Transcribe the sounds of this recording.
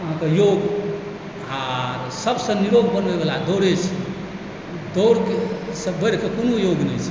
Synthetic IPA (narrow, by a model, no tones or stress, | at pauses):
əɦãkejoɡ | aɾsəbsə̃niɾoɡ̚bənʋebelad̪oɾet͡ʃʰi | d̪oɾkesəbəɾkekonojoɡnɛjt͡ʃʰɛ